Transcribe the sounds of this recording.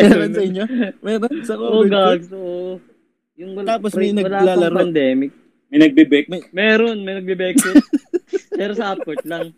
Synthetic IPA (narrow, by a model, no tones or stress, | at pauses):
mɛonsɐɪɲːomɛːɾonsɐoɡaɡsoʔo | jʊŋwɐt̪aːposmɐjnɐwɐlaːlaːlɐɾoɐnd̪ɛːmɪk̚ | mɐjnɐɡ̚bɛbɛk̚mɐmɛːɾonmɐjnɐɡ̚bɪbɛkːo | pɛːɾosɐʔɐpːot̪̚lɐŋ